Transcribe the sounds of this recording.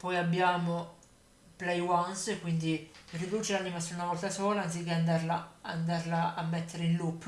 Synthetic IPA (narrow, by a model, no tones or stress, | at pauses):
pɔjabːjaːmo | plɛjwanskwind̪irid̪uːt͡ʃelanimasiunavɔlt̪asɔːlaans̬ikːeand̪arlaa̰nd̪arlaamːet̪ʰːeɾeinlupː